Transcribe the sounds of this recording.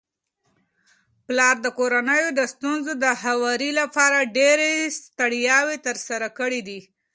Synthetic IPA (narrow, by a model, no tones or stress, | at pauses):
plɑɾd̪əkoɾanəjod̪əst̪unzod̪əhawɑɾilapɑɾaɖeɾest̪əɽjɑwet̪əɾsaɾakəɽid̪i